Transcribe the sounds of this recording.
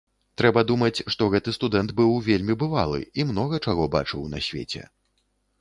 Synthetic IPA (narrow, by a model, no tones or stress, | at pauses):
t̪ɾɛbɐd̪umɐt͡sʲʂt̪ɔɣɛt̪ɨst̪ud̪ɛnd̪bɨwvʲelʲmʲibɨvalˠɨ̰imnɔɣɐt͡ʂaɣɔba̰t͡ʂɨwnɐ̰sʲvʲḛt͡sʲɛ̰